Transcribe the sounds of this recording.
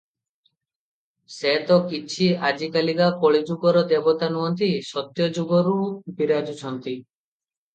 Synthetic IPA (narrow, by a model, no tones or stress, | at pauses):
set̪ɔkit͡ʃʰiad͡ʒikaliɡakoɭid͡ʒuɡɔɾɔd̪ebɔt̪anuɦɔnt̪isɔt̪jɔd͡ʒuɡɔɾubiɾad͡ʒut͡ʃʰɔnt̪i